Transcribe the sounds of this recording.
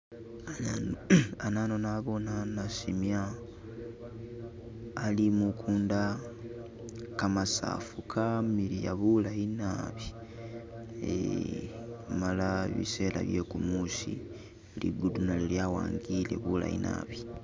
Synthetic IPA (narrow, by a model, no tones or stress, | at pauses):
anaːnonaβo̞nanasimja | limukʰuːnda | kamasa̰ːfukʰamilijaβulainaβi | ḛ | malaβḭse̞ːla̰βjekumuːsḭ | lʔḭɡudunaleljaːwa̰ːŋɡile̞̰βula̰ḭnʔa̰ːβi